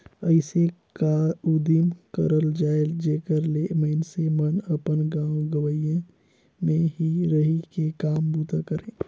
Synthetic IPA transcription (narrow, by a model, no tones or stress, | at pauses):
əɪsekaud̪imkəɾəld͡ʒaːeld͡ʒeːkəɾleməɦnsemənəpənɡãːwɡəʋəijẽ | mẽɦiɾəɦikekaːmbuːt̪akəɾẽː